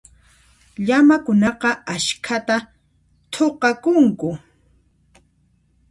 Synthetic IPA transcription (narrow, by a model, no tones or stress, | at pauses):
ʎamakʊnɑqɑaʃkʰat̪a | t̪ʰoqɑkʊŋkʊ